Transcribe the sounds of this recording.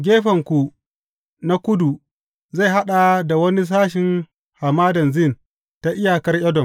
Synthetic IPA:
ɡʲeː˦ɸɐ˨ŋkʷu˨ | na˦kʷʊ˦du˨ | za˦˨ɦa˦ɗa˨da˨wɐ˦ni˦s̬aː˦ʃɪ˨ŋ | ha˨maː˦dɐ˨nzɪ˦˨n | ta˦ʔɪ˦ja˨kɐ˦rjɐ˦dɔ˨m

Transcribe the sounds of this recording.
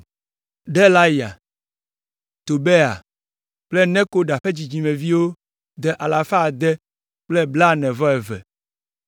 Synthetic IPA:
ɖɛ˦la˦ja̰˨ | t̪o˨be˦a̰˨ | k͡plɛ˦nɛ̃˦ko˦ɖa˨ɸe˦d͡ʑi˨d͡ʑi˨mɛ̃˨vi˦wo˦ | d̪ɛ˦ʔa˨la˨fa˦˨d̪ɛ˦ | k͡plɛ˦bla˦nɛ̃˨vɔ˦ɛ˨vɛ̰˨

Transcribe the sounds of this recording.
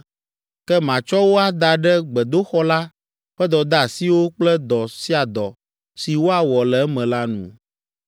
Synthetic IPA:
kɛ˦mã˨t͡ʃɔ˦wo˦a˨d̪a˨ɖɛ˦ɡ͡bɛ˨d̪o˦xɔ˦la˦ | ɸɛ˦d̪ɔ˨d̪a˦˨si˦wo˦k͡plɛ˦d̪ɔ˨si˦a˨d̪ɔ˨ | si˨wo˦a˨wɔ˨lɛ˨ɛ˦mɛ̃˨la˦nṵ̃˨

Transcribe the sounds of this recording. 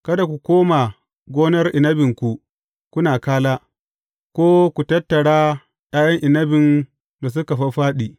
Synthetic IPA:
kɐ˦da˨kʷu˨kʷoː˦ma˨ | ɡʷoː˦nɐ˦rʔɪ˨nɐ˦bɪ˨ŋkʷu˨ | kʊ˦naː˨kaː˦laː˦ | kʷoː˦kʷu˨tɐ˦tːɐ˨ɽaː˦ | ɗaː˦jɐ˦ŋʔɪ˨nɐ˦bɪ˨n | da˨s̬ʊ˦ka˨ɸɐ˦ɸaː˦ɗiː˨

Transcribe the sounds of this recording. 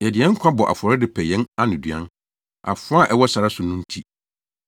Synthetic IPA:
jɛ˨dɪ˨ɛ̃˦ŋ̩˦kʷʰã˦bɔ˨ʔa̰˨fɔ˨ɾɪ˦dɪ˦pʰɛ˨jɛ̃˦na˦nʊ̃˨dɥã̰˦n | a̰˨fʊ˦a˦˨ʔɛ˦wɔ˦sa˨ɾa˦sʊ˨nʊ̃˦n̩˦tʰi˦

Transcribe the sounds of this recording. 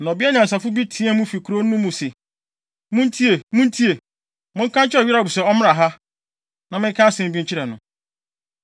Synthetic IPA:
nɔ̃˨bi˦a˦ɲã˨n˨s̬a˨fʊ˦bi˦tʰĩ˦ɛ̃˦mʊ̃˦fi˨kʰu˨ɾo˦nũ˦mũ˨sɪ˨ | mʊ̃˦n˦tʰi˦e˨mũ˦n̩˦tʰi˦e˨ | mʊ̃˦ŋ̩˦kã˦n˦t͡ɕʰɪ˦ɔ˨ɥi˦ɾa˨bu˨sɛ˨ɔ˦mɪ̃˦a˨ɦa˦ | nã˨mɪ̃˦kʰã˦sɪ̃˦˨m̩˦bi˦ɲ̩˦t͡ɕʰi˦ɾɛ˨nʊ̃˨

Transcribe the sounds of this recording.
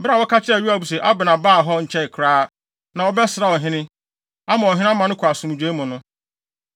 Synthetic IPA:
bɪ˦a˨wɔ˦ka˦t͡ɕʰɪ˦ɾɛ˨ɥu˦a˨bu˨s̬e˨ʔa˦bɪ˨nã˨baː˦˨ɦɔ˦ɲ̩˨t͡ɕʰɛ˦ɪ˨kʰɾaː˦ | nã˨wɔ˨˦bɛ˦sɪ˨ɾa˨ɔ˨ɦɪ̃˦nɪ̃˦ | a˦mã˨ɔ˨ɦɪ̃˦mã˨nʊ̃˦kʰʊ˨a˨sʊ̃˨m̃˨d͡ʑᶣe˦mʊ̃˨nʊ̃˦

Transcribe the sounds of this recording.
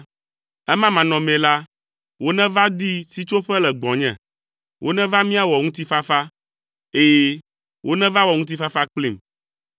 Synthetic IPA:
ɛ˦mã˦mã˨nɔ̃˨mɛ̃˨la˦ | wo˦nɛ̃˦va˦d̪i˦si˦t͡ʃo˦ɸɛ˦lɛ˨ɡ͡bɔ̃˨ɲɛ̰̃˨ | wʔo˦nɛ̃˦va˦mĩ˦a˨wɔ˨ŋũ˦t̪i˦fa˦fa˦ | e˦je˦ | wʔo˦nɛ̃˦va˦wɔ˨ŋũ˦t̪̬i˦fa˦fa˦k͡pli˨m

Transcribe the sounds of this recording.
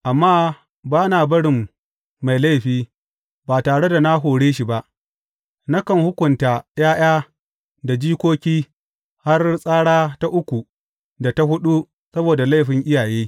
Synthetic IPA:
ʔa˨mːaː˦ | baː˦naː˨bɐ˦ɽɪ˨mː | a˨jla˦jɸiː˦ | baː˨taː˨ɽe˦da˨na˦ɦoː˨ɽeː˦ʃi˨ba˦ʔ | na˦kɐ˦˨ŋhʊ˦kʷʊ˨nta˨jaː˦j̰aː˦ | da˨d͡ʒiː˦kʷoː˦kʲiː˦ | ha˦rsʼaː˦ɽaː˦ta˦ʔʊ˦kʷu˨ | da˨ta˦ɦʊ˦ɗu˦ | sɐ˦boː˨da˨la˦jɸɪ˨ŋʔɪ˦jaː˨jeː˦

